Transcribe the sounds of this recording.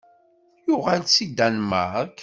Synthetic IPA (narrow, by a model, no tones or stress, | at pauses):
jʊʁalt͡sːid̪ænmək